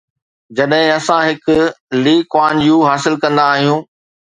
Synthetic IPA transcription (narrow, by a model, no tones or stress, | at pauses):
d͡ʑɐɗɦɪ̃ɐsãɦɪkʊliːkwaːnjũːɦaːsɪlkɐ̃nd̪aːɦijũː